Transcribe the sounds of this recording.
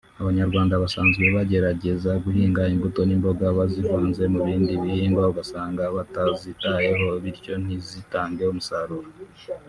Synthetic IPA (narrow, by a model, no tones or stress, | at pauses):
aβaɲaɾɡwaːndaβasaːnzɡe̞βaɟe̞ɾaɟe̞zaɡuhiːŋɡaimbuto̞nimbo̞ɡaβazivuːnze̞muβiːndiβihiːŋɡwauɡasaːŋɡaβatazitaje̞ɦo̞βiɾco̞n̥izitaːŋɡeumusaɾuɾo